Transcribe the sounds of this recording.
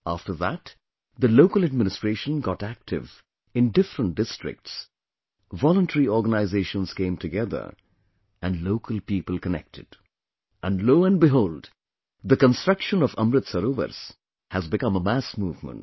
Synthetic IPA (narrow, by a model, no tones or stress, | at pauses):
æftə˞ðæ̰t̪ | ðəloʊkəlɨd̚mɪ̃nɨstɹ̥eɪʃə̃nɡɑtæk̚tʰɪ̰v | ɪ̃ndɪfɾə̃n̚d̥ɪstɹɪ̰k̚ts | vɔlə̃ntʰəɹiɔɹɡənaɪzeɪʃə̃nz̥kẽɪ̃mtɨɡɛðə̰˞ | ʔɨ̃nloʊkʰəlˠpiːpəlˠkənɛ̰k̚tʰɨ̰d | ʔæ̃nɖloːə̃nbɪɦoʊld | ðəkə̃nstɹ̥ʌkʃə̃nɔvʌ̰̃mɾɨt̪səɾovə̰ɾs | hæzbɨkʌ̃məmæsmuːvmə̰̃nt̚